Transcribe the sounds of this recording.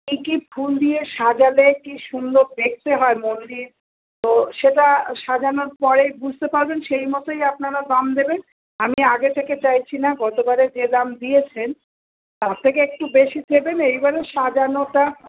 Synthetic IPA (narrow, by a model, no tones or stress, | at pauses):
kikibʰʱuld̪ieʃad͡ʑalekiʃund̪od̪ek̚t̪eɦɔemond̪iɾ | t̪oʃeʈaʃad͡ʑanoɾpɔɾejbud͡ʑʱt̪epaɾbenʃejmot̪ojapnaɾad̪amd̪eben | amiaɡet̪ʰeket͡ɕajt͡ɕʰinaɡɔt̪obaɾed͡ʑed̪amd̪ijet͡ɕʰen | t̪aɾt̪ʰːekeek̚ʈubeʃit̪ʰebenejbaɾeʃad͡ʑanoʈa